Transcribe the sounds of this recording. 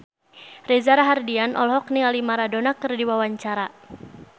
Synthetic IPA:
rɛzaɾaɦardianʔɔ̰lɦɔknialimaɾadonakɨrdiwawaɲt͡ʃaɾa

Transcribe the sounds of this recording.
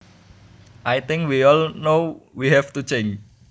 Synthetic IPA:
ʔajt̪ɪŋkwiɔlnowiɦɛft̪ut͡ʃend͡ʒ

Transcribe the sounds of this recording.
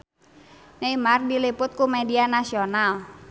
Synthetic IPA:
naimardilipʊt̪̚kumɛdianasional

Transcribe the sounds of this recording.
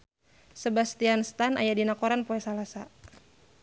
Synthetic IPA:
səbast̪ianst̪ana̰jadinakoɾanpoɛsalasa

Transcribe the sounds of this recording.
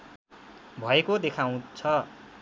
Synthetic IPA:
bʱʌekod̪ekʰaw̃t͡sʰʌ

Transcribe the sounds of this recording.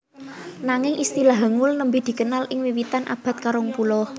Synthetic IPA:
naŋɪŋʔist̪ilaɦəŋulnəmbid̪̥i̤kənalʔɪŋwiwit̪anʔa̰b̥a̤t̪̚kaɾɔŋpulɔ

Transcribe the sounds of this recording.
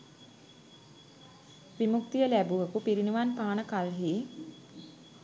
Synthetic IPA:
ʋimuk̚t̪ijəlæbuʋəkupiɾinuʋanpaːnəkalɦi

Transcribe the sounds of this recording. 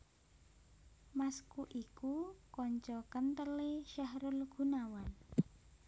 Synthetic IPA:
maskuʔikukɔɲt͡ʃɔkənt̪əleʃahɾʊlɡ̥ṳnawan

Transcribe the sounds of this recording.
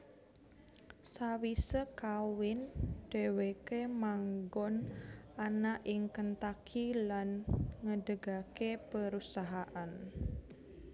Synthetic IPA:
sawisəkawɪnd̥ɛwekemaŋɡɔnanaʔɪŋkənt̪akʰilanŋədəɡakepəɾusaɦaʔan

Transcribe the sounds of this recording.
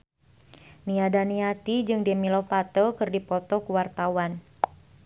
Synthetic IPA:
niadaniat̪id͡ʒɨŋdemilɔfat̪əlkɨrdipɔt̪ɔkuwart̪awan

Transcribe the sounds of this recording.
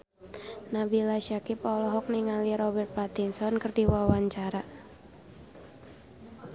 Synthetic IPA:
nabilaʃakipɔlɔɦɔk̚niŋaliɾɔbɛrt̪̚pat̪insɔnkɨrdiwawaɲt͡ʃaɾa

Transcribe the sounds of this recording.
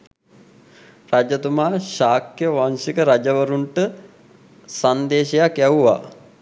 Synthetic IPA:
rad͡ʒət̪umaːʃaːkjəʋaŋsikəɾad͡ʒɐʋəɾuɳʈə | sand̪eːɕejakjaʋuʋa̰

